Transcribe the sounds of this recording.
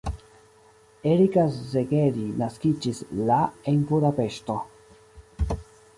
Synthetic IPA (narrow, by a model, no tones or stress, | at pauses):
eɾikasːeɡeɾinaskid͡ʒislaenbudape̞ʃto̞